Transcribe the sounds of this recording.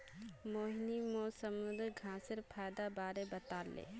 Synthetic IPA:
moːɦnimoːsəmũnd̪ɡʱãːsɪɾpʰaːjd̪abaːɾebɐt̪aːlḛː

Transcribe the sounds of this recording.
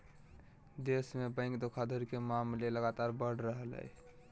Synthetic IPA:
d̪esmebə̃ɪ̃ŋkd̪okʰad̪ʱoɾikemaːmleləɡat̪aːɾbəɽ̤ɾəɦəlɦɛ̰

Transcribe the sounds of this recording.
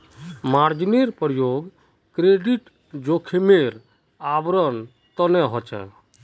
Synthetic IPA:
maɾd͡ʒineɾpɔɾjoɡ | kɾeɖiʈ | d͡ʒokʰemeɾ | abɾɔn | t̪ɔneɦɔt͡ʃɛ̰

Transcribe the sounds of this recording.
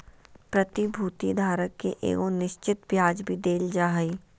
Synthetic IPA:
pɾɐt̪ibʱuːt̪id̪ʱaːɾəkːeʔḛːɡonɪʃt͡ʃɪt̪bʱjaːd͡ʒbʱid̪eːld͡ʒaːɦəiː

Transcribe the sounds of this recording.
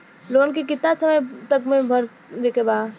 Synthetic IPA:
loːnkek̬ɪt̪asɐməjt̪ɐkmẽbʱɐɾ | dekebaː

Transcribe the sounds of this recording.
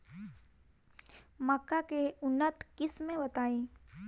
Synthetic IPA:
məkːakeʊnːət̪kɪsmẽbɐt̪aːẽː

